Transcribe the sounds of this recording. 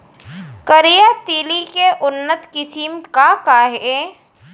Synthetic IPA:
kəɾijat̪iːlikeʔʊnːət̪kɪsimkakaɦe

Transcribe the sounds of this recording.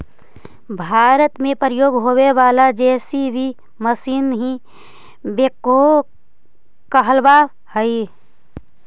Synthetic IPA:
bʱaːɾət̪mẽpɾəjoːɡɦoːweʋaːlad͡ʒɛːsibʱi | məsiːnɦi | beko | kəɦəlba | həi

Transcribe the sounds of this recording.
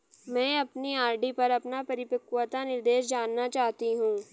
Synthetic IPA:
mɛ̃ːɐpniaːɾɖipɐɾɐpnapɐɾɪpɐkwət̪anɪɾd̪eːʃ̬d͡ʒaːnːat͡ʃaːɦt̪iɦũː

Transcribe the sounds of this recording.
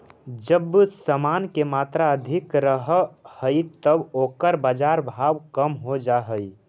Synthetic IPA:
d͡ʒəbsəmaːnkemaːt̪ɾaəd̪ʱɪkɾəɦhəit̪əboːkəɾbaːd͡ʒaːɾbʱaːwkəmɦod͡ʒaɦəi

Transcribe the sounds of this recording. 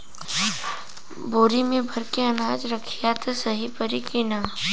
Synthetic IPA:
boːɾimẽbʱɐɾkeɐnaːd͡ʒɾəkʰijat̪ʰsɐɦipəɾikɪna

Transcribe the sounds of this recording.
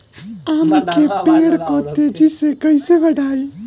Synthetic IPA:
aːmukʰepeːɽkoːt̪ed͡ʒisekɐiseʋɐɖaːiː

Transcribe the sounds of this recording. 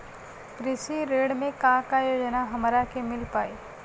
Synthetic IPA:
kɾɪʃiɾeːɽmẽkãkajoːd͡ʒnaɦɐmɾakemɪlpaːiː

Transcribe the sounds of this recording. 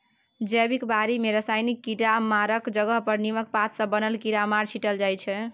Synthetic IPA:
d͡ʒəbikbaɾimeɾəsajnikːiɾamaɾəkd͡ʒəɡəɦpəɾnimək̚pat̪ʰsə̃bənəlkiɾamaɾt͡ʃʰiʈəld͡ʒajt͡ʃʰɛ

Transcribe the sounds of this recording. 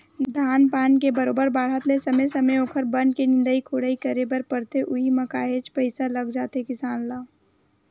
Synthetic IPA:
d̪ʱaːnpaːnkebɐɾoːbəɾbaːɽ̤ət̪lesɐmesɐməjoːkʰəɾbənɖkenɪ̃nd̪əikʰoːɽəːikəɾebəɾpəɾt̪eʔʊɦimɐkaːɦeːt͡ʃpəɪsalɐɡd͡ʒaːt̪ekɪsaːnlaː

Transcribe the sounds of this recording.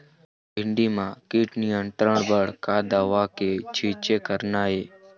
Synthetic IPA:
bɪɳɖiːmãːkiːʈniːə̃nʈɾəɳbəɽ̤kaːd̪aːʋaːkeːt͡ʃʰiːt͡ʃeːkəɾnaːɦeː

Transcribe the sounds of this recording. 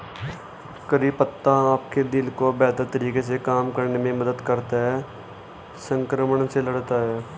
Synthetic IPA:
kəɾiːpət̪ːãaːpked̪ɪlkobɛːt̪əɾt̪əɾiːkes̬ekaːmkəɾnemẽməd̪əd̪kəɾt̪aɦɛː | sə̃ŋkɾəməɳseləɽt̪aɦɛː

